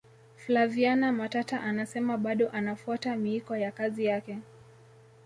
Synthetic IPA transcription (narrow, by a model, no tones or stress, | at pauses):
flavianamatataʔanasɛmaɓaɗɔʔanafuatamiikɔjakazijakɛ